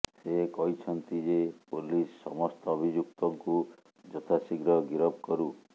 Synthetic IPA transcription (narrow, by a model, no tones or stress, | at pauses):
sekɔɦit͡ʃʰɔnt̪id͡ʒepulisːɔmɔst̪ɔːbʱid͡ʒuk̚t̪ɔŋku | d͡ʒɔt̪ʰasiɡɾɔɡiɾɔb̚kɔɾu